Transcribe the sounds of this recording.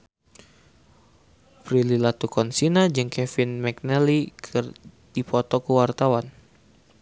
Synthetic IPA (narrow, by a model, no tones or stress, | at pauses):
pɾililat̪ukɔnsinad͡ʒɨŋkʰɛfinmɛk̚nɛlikʰɨr | dipɔt̪ɔkəwart̪awan